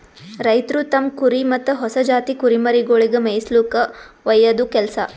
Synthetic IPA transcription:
ɾɐjt̪ɾut̪ɐmkuɾimɐt̪ːɐɦɔsɐd͡ʒaːt̪ikuɾimɐɾiɡoɭiɡɐmejsluːkɐ | ʋɐjːɐd̪ukɛlsɐ

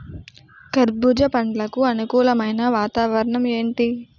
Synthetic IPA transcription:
kɐɾbud͡ʒɐpɐɳɖlɐkuɐnukuːlɐmɐjnɐʋaːt̪aːʋɐɾɐɳɐme̞ːɳʈi

